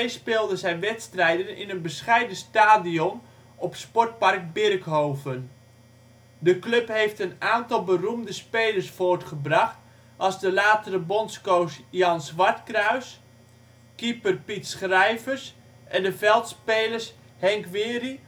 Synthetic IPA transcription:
ejspɪːlˠdəzɛjnʋɛtstrɛjdənɪ̰nənbəsχɛjdəstaːdiɔn | ɔpspɔrt̚park̚bɪrkɦoːvən | dəklɵpɦejftənaːntɑlˠbərumdəspeːlərsfoːrtχəbrɑχt | ɑlˠzdəlaːtərəbɔnskowsjɑnsʋɑrtkrœɥs | kipərpitsχrɛjvərs | ʔɛndəvɛlˠtspeːlərs | hɛŋkʋɪːri

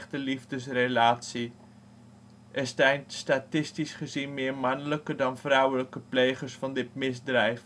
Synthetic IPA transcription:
χtəlivdəsrelaːtsi | ʔɛstɛjntstatɪstisχəzinmɪːɹmɑnələkədɑnvrɔwələkəpleːχəɹsfɑndɪt̚mɪzdrɛjf

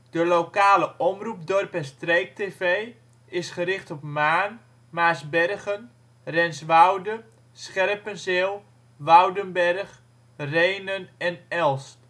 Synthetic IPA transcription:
d̥əlokaːləʔɔmrup̚dɔrpɛstrejk̚teːvej | ɪsχərɪχtɔpmaːn | maːsbɛrɣən | rɛnsʋawdə | sχɛrpənzɪːlˠ | ʋawdənbɛrχ | rejnənɛnɛlˠst

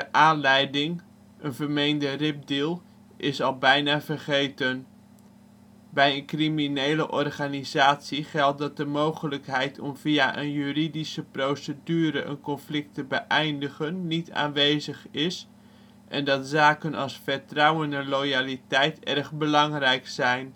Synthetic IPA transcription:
dəʔaːnlɛjdɪŋ | ənvəɹmejndərɪp̚diːlˠ | ʔɪsɑlˠbɛjnaːvərχejtən | bɛjənkriminejləʔɔrχaːnizaːtsiχɛlˠt̚dɑt̚dəmowχələkɦɛjtʰɔmvijaʔənjyridisəprowsədyːɾəʔə̰nkɔnflɪk̚təbəʔɛjndəχənːitʰa̰ːnʋejzəχɪs | ʔɛ̰ndɑtsaːkənɑlˠsfəɹtrɑwənɛnlojaːlitɛjtɛrχbəlɑŋrɛjksɛjn

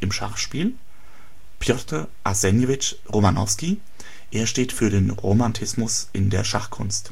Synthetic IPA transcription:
ʔɪmʃa̰χʃpiːl | pʰjɔtə | ʔasɛnjevɪt͡ʃ | ʁomanɔfski | ʔeːɐʃteːtfyːɐɾeːnʁomantʰɪsmʊsʔɪndeːɐʃa̰χkʰʊ̰nst

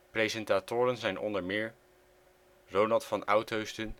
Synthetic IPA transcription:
prejzɛntaːtʊːɾənzɛjnʔɔ̰ndəɹmɪːɹ | rownɑlˠtfɑnɑwtowstən

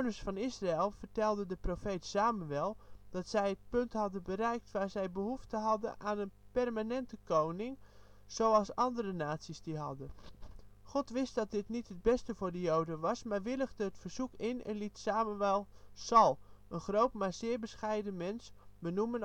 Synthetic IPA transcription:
ownəɹsfɑnɪsraɛlˠvərtɛlˠdədəprofejtsaːmyʋɛlˠd̥ɑtsɛjət̚pɵntɦɑdənbərɛjk̚tʋaːɹzɛjbəɦuftəɦɑdəʔaːnənpɛrmanɛntəkownɪŋ | z̥owɑlˠsɑndərənaːtsisdiɦɑ̰də | χɔtʋɪstdɑt̚dɪtnitɦəd̚bɛstəvʊːɹdəjowdənʋɑsmaːrʋɪləɣdəətfərz̥ukɪnɛ̰nlitsaːməʋɛlˠsɑlˠənχrowtmaɹz̥ɪːɹbəsχɛjdəmɛnsbənumən

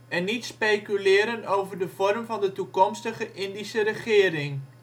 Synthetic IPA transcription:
ɛnːitspejkylɪːɾənowvərdəfɔrmvɑndətukɔmstəχəʔɪndisəɾəχɪːəɾɪŋ

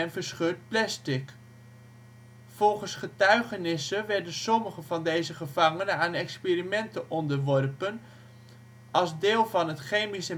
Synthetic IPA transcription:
ɛnvəɹsχøːɹt̚plɛstɪk | fɔlˠχənsχətœɥχənɪsəʋɛɹdənsɔməχəvɑndejzəχəvɑŋənəaːnɛkspeːrimɛntəʔɔndəɹʋɔrpən | ɑlˠzdɪːlˠvɑnɦətχejmisə

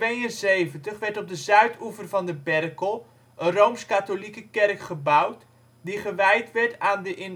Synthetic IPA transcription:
ʋejənsejvəntəχʋɛɹtɔb̚dəzœɥtʰuvərvɑndəbɛrkəlˠ | ənrowmskatolikəkɛrkχəbʌwt | diχəʋɛjtʋɛɹtaːndəʔɪn

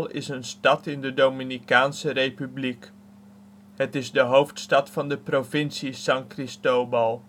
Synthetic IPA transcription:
lˠɪ̰sənstɑtɪndədowminikaːnsərejpyblik | ɦətɪzdəɦowftstɑtfɑndəprovɪnsisɑŋkrɪstowbɑlˠ

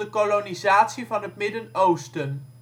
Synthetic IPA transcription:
əkolonizaːtsivɑnɦət̚mɪdənowstən

